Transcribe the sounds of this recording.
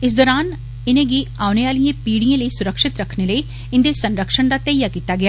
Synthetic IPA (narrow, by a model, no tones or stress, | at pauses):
ɪs̬d̪ɔːɾaːn | ɪnẽːɡiaːʊneaːlijẽːpiːɽiẽːləiːsʊɾəkʃɪt̪ɾəkʰneləiː | ɪnd̪eːsənɾəkʃəɳ̃d̪aːt̪əjaːkiːt̪aːɡɪaː